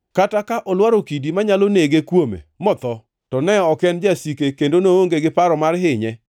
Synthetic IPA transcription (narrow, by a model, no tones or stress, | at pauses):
katakaʔɔlwaɾokidimaɲaloneɡekwomḛmɔt̪ɔ | tɔnɛɔkɛnd͡ʒasikekendonooŋɡeɡɪpaɾɔmarɦɪɲɛ